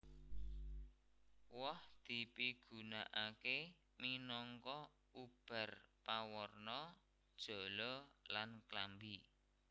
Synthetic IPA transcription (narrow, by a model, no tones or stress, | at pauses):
wɔhd̪̥i̤piɡ̥ṳnaʔake | minɔŋkɔ | ub̥a̤rpawɔrnɔ | d̥ʒ̥ɔ̤lɔlanklambi